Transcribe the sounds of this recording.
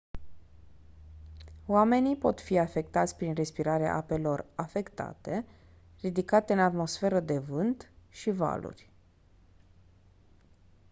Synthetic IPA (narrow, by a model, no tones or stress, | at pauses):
wame̞nipo̞t̪fiafe̞k̚t̪at̪sʲpɾinre̞spiɾaɾea̰ʔape̞lo̞rafe̞kt̪a̰t̪e̞ | rid̪ikat̪e̞ɨnat̪mo̞sfe̞ɾəd̪e̞vɨnt̪ʃiva̰lṵrʲ